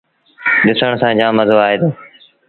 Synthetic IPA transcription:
ɗɪsəɳ̃sãːd͡ʒãːməzoːaːɦeːd̪oː

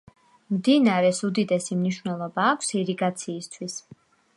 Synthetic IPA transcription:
md̪inaɾɛsud̪id̪ɛsimniʃwvnɛlˠɔbaːkʷʰsiɾiɡat̪sʰiːst̪ʰwis

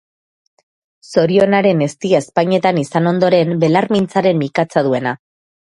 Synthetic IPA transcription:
so̞ɾio̞naɾe̞ne̞st̪iaespaɲe̞t̪anisano̞nd̪o̞ɾe̞mbe̞laɾmint͡saɾe̞mikat͡sað̞ue̞na

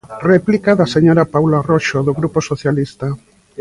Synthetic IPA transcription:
rɛplikaðaseɲoɾapawlaroʃoðoɣɾuposoθjalist̪a

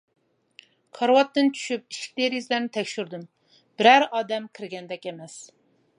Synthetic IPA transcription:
qʰɑɾwɑt̪ːɨnt͡ʃʰy̥ʃyp̚iʃkʲi̥t̪eɾjizlæɾnɪt̪ʰɛkʲʃyɾd̪ɨm | b̥ɪɾæɾɑːd̪ɛmkʲʰɪɾɡʲɛnd̪ɛkʲemɛs

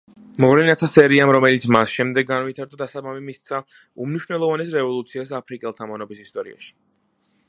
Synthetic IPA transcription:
mɔvɾɛnat̪ʰasɛɾiamɾɔmɛlit̪sʰmasʃɛmd̪ɛɡːanvit̪ʰaɾd̪ad̪asabamimist̪sʰa | umniʃvnɛlˠɔvanɛsɾɛvɔlˠut̪sʰiasapʰɾikʼɛlˠt̪ʰamɔnɔbisist̪ʼɔɾḭa̰ʃi̥

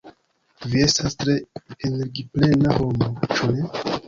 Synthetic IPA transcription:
vie̞stastɾe̞ene̞ɾɡiple̞naho̞mot͡ʃune̞

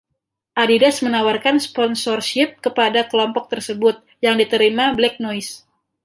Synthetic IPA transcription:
ʔadidasmənawarkanspɔnsɔrʃɪp̚kəpadakəlɔmpɔk̚t̪ərsəbʊt̪̚ | jaŋdit̪əɾimablɛk̚nɔis

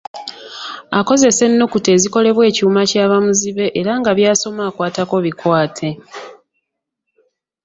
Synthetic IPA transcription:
ako̞ze̞se̞nːokute̞ːziko̞le̞βwe̞ːciumacaːβamuziβe̞ʔeɾaŋɡaβjaːso̞maːkwaːtako̞βikwaːtʰe̞

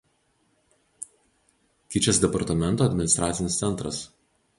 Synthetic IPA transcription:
kʲɪt͡ʃʲɛsd̪ʲɛpɐɾt̪ɐmʲɛnt̪oːɐd̪ʲmʲɪnʲɪst̪ɾʔaːt̪sʲɪnʲɪst̪sʲɛnt̪ɾɐ̰s

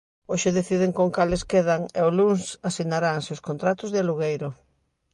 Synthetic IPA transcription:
oʃeðeθið̞eŋkoŋkaleskeð̞aŋeolunsasinaɾaŋseoskont̪ɾat̪ʊzðɪaluɣejɾo

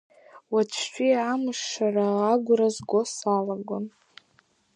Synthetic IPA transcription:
wat͡ʃʷʰʃʷᶣiamɨʂːaraːɡʷrazɡʷosalaɡʷon

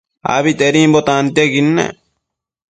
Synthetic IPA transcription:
a̰βit̪eɾimbɔt̪aːnt̪ieɡinːɛ̰

